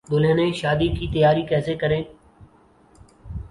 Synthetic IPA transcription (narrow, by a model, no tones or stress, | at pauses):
d̪ʊleːnẽːʃaːd̪iːkiːt̪əjaːɾiːkɛːseːkəɾẽː